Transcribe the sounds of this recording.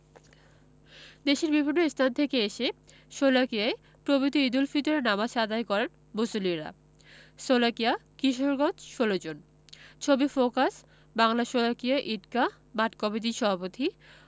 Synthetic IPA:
d̪eʃeɾbibʱinːoest̪ʰant̪ʰekeeʃe | ʃolakiae | pɾobit̪uid̪ulfit̪oɾenamaʃad̪ajkɔɾen | mosoliɾa̰ | solakijakiʃoɾɡɔ̃t͡ɕʃolod͡ʑon | t͡ɕʰobifokas | baŋlaʃolakiaʔiʈka | maʈkɔmit̬iʃɔbʱapot̪ʰi

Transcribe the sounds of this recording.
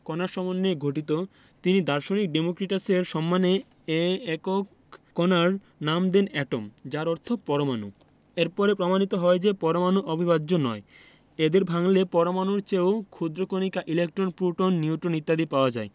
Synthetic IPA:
kɔnaɾʃɔmonːeɡʱoʈit̪̬o | t̪inid̪aɾʃonik̚ɖemokɾiʈaseɾʃɔmːane | eɛkokː | ɔnaɾ | namd̪enɛʈomd͡ʑaɾɔɾt̪ʰopɔɾomanṵ | eɾpɔɾepɾomanit̪oɦɔed͡ʑepɔɾomanuʔobʱiβadːd͡ʑonɔ̰e | ed̪eɾbʱaŋlepɔɾomanuɾt͡ɕeokʰud̪ɾokonikaʔilek̚ʈɾonpɾuʈonːiuʈɾonit̪ːad̪ipaoad͡ʑae

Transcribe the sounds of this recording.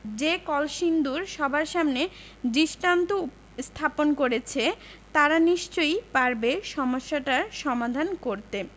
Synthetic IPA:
d͡ʑekɔlʃind̪uɾʃɔbʱaɾʃamne | diʃʈant̪o | st̪ʰaponkoɾet͡ɕʰet̪aɾaniʃt͡ɕojpaɾbeʃɔmoʃːaʈaɾʃɔmad̪ʱankoɾt̪e

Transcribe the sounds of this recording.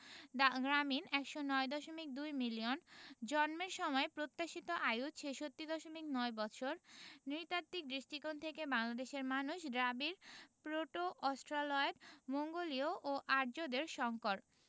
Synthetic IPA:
ɡɾaminɛkʃonɔed̪ɔʃomik̚d̪ujmiliond͡ʑɔnmeɾʃɔmɔepɾot̪ːaʃit̪oʔajut͡ɕʰeʃot̪ːid̪ɔʃomiknɔebɔt͡ɕʰoɾniɾt̪at̪ːik̚d̪ɾiʃʈikont̪ʰekebaŋlad̪eʃeɾmanuʃɖɾabiɾpɾoʈoʔɔsʈɾalɔedmoŋɡolioʔoʔaɾd͡ʑod̪eɾʃɔŋkoɾ

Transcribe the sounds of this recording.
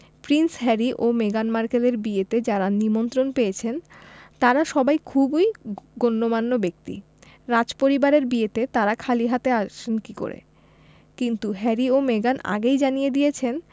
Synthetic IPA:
pɾinsɦɛɾiʔomeɡanmaɾkeleɾbiet̪ed͡ʑaɾanimont̪ɾonpejet͡ɕʰent̪aɾaʃɔbajkʰubujɡonːomanːobek̚t̪ḭ | ɾad͡ʑpoɾibaɾeɾbiet̪et̪aɾakʰaliɦat̪eaʃenkiko̰ɾḛ | kint̪uɦɛɾiomeɡana̰ɡejd͡ʑanijed̪ijet͡ɕʰen

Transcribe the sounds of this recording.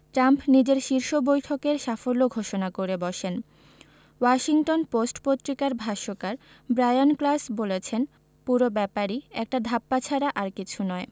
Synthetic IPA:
ʈɾampnid͡ʑeɾʃiɾʃobojʈʰokeɾʃafolːoɡʱoʃonakoɾebɔʃen | waʃiŋʈonposʈpot̪ːɾikaɾbʱaʃokaɾ | bɾajonklasbolet͡ɕʰen | puɾobɛpaɾiɛk̚ʈad̪ʱapːat͡ɕʰaɾaʔaɾkit͡ɕʰunɔe

